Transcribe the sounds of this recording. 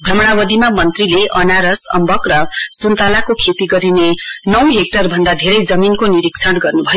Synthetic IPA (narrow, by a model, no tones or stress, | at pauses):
bʱrʌmɽ̃abʌd̪imamʌnt̪rileʔʌnaɾʌsʌ̰mbʌkrʌsunt̪alakokʰet̪iɡʌɾinenʌwɦek̚ʈʌrbʱʌnd̪ad̪ʱeɾʌjd͡zʌminkoniɾik̚t͡sʰʌɽɡʌrnubʱʌjo